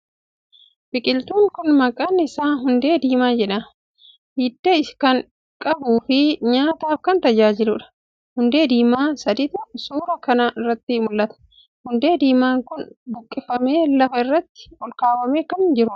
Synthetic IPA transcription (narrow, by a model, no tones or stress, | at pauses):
bɪkʼɪlt̪uːŋkʊnmɐkʼaːnːɪsaːɦʊnd̪e̞ːd̪iːmaːd͡ʒɛᶑɐ | hiːd̪ːeɪskɐŋ | kʼɐbuːfɪɲaːt̪aːfkɐnt̪ɐd͡ʒaːd͡ʒɪlʊᶑɐ̥ | hʊnd̪e̞ːd̪iːmaːsɐd̪ɪt̪ʊsuːɾɐkɐnɐɪrːɐt̪ːɪmʊlːɐt̪ɐ̥ | hʊnd̪e̞ːd̪iːmaːŋkʊnbʊkʼːɪfɐme̞ːlɐfɐɪrːɐt̪ːɪ̥ɔlkaːwɐmeːkɐnd͡ʒɪɾʊɐ̥